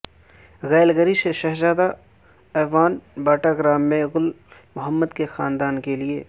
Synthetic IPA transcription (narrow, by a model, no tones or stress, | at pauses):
ɣɛːlɡəɾiseʃɐɦzaːd̪a | ɛːʋaːnbaːʈaɡɾaːmːẽɣʊl | mʊɦəmːəd̪kexaːnd̪aːnkelieː